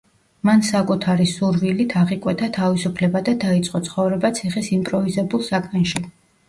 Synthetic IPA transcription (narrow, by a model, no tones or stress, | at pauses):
mansakʼut̪ʰaɾisuɾvilit̪ʰaʁikʼwɛt̪ʰat̪ʰavisupʰlɛbad̪ad̪ait̪sʼqʼɔt̪sʰχɔvɾɛbat̪sʰiχisimpʼɾɔvizɛbulˠsakʼanʃi